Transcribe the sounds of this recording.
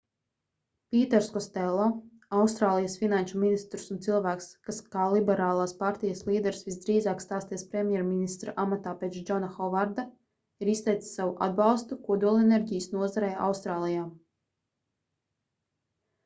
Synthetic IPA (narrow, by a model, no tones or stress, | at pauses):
pʲiːt̪ɛɾskɔst̪ɛlˠːɔ | awst̪ɾaːlˠijasfinanʃuminist̪ɾu̥sunt̪silˠvæːkskaskaːlˠibɛɾaːlˠaːspaɾt̪ijaslˠiːd̪ɛɾsvisd̪ɾiːzaːkst̪aːst̪iɛspɾɛmʲjɛɾminist̪ɾaʔamat̪aːpʲɛt͡ʃd͡ʒɔnaxɔvaɾd̪a | iɾist̪ɛjt̪ssːavuʔa̰d̪̚balˠst̪ukuɔd̪uɔlˠɛnɛɾʲɟijəsnuɔzaɾɛja̰wst̪ɾaːlˠijaː